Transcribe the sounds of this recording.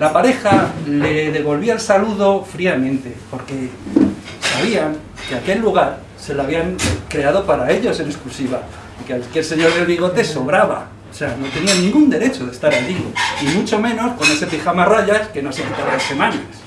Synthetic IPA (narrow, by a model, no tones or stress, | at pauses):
lapaɾe̞xale̞ðe̞βo̞lβiaelsaluðo̞fɾiamẽnt̪e̞po̞ɾke̞ | saβiaŋ | ke̞ake̞lːuɣ̞aɾ | se̞laβ̞iaŋkɾe̞aðo̞paɾae̞ʎo̞se̞ne̞sklusiβa | ikealkelse̞ɲo̞ɾðe̞lβiɣ̞o̞t̪e̞so̞βɾaβa̰ | ose̞ano̞t̪e̞nianĩŋɡund̪e̞ɾe̞t͡ʃo̞ðe̞st̪aɾaʎiimut͡ʃo̞mẽ̞no̞sko̞ne̞se̞pixamaraʎaske̞no̞sekit̪aβalase̞mãnas